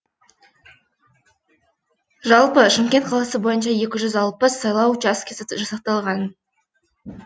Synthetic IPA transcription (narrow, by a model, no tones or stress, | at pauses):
ʒɑlˠpəʃɪmkʲe̞nt̪qʰɑlˠɑsəbo̞jənʃɑje̞kʲɪʒʏzɑlˠpəsːɑjlˠɑwd͡ʒɑskʲʰʒɑsɑqt̪ɑlˠʁɑn